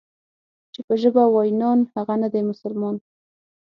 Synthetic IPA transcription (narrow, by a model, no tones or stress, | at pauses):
t͡ʃepəʒəbawɑjnɑnhaɣanad̪emʊsʊlmɑn